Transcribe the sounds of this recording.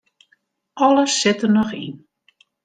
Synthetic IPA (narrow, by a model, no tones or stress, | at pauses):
ʔɔləsːɪtənɔxḭn